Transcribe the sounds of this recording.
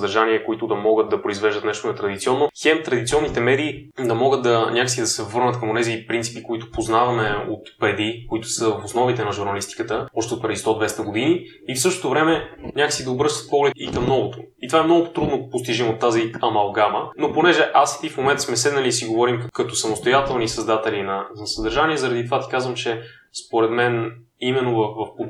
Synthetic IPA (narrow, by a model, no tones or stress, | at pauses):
d̪ɐɾʒaniɛkoit̪ʊd̪ɐmɔɡət̪̚d̪ɐpɾoizvɛʒd̪ət̪nɛʃt̪onɛt̪ɾɐd̪it̪siɔnːoxɛmt̪ɾɐd̪it̪siɔnːit̪ɛmɛd̪iːd̪ɐmɔɡət̪̚d̪ɐnʲakəsid̪ɐsɛvɤɾnət̪kɐmonɛzipɾint̪i̥pikoit̪ʊ̥poznavɐmɛo̰t̪pɛd̪ikoit̪ʊ̥səvɐfosnɔvit̪ɛnɐʒuɾnɐlist̪i̥kət̪əɔʃt̪ɛot̪pɾɛd̪ist̪ɔd̪vɛst̪əɡod̪iniː | fsɤʃt̪o̥t̪ʊvɾɛmɛnʲakə̥sid̪ɐobɾɤʃt̪ə̥t̪pɔɡlɛikɐmnɔɡot̪oit̪ovaɛmnɔɡʊt̪ɾud̪nopost̪iʒimot̪ːaziɐmɐlˠɡamənoponɛʒɛʔasi̥t̪ifmomɛnt̪ə̥smɛsɛd̪nɐliːsiɡovɔɾimkɐt̪ɔsɐmost̪ojat̪ɛlˠnisɐzd̪at̪ɛlinɐnɐsəd̪əɾʒaniɛzɐɾɐd̪it̪ovat̪i̥kazvəmt͡ʃɛ | spoɾɛt̪mɛn | imɛnːovɐfvɐfp